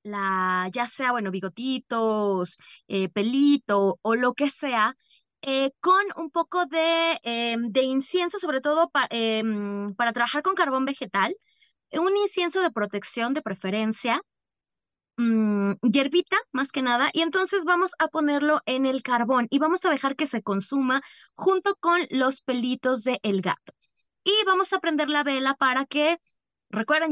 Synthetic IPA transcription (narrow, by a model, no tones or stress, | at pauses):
laʝase̞aβwe̞no̞βiɣo̞t̪it̪osepe̞lit̪o̞ːlo̞ke̞se̞a | eko̞nṵmpo̞ko̞ðe̞ed̪e̞insje̞nso̞so̞β̞ɾe̞t̪o̞ðo̞paʔempaɾat̪ɾaβaxaɾko̞ŋkaɾβo̞mbe̞xe̞t̪al | uninsje̞nso̞ð̞e̞pɾo̞t̪e̞ksjo̞nd̪e̞pɾe̞fe̞ɾe̞nsja | ʝe̞ɾβit̪amaske̞naðaʔie̞nt̪o̞nse̞zβamo̞sapo̞ne̞ɾlo̞ʔe̞ne̞lkaɾβo̞niβamo̞sað̞e̞xaɾke̞se̞ko̞nsuma | xunt̪o̞ko̞nlo̞spe̞lit̪o̞zðe̞ʔːlɣa̰t̪o̥ | iβamo̞sapɾend̪e̞ɾlaβe̞lapaɾake̞ | rekweɾðe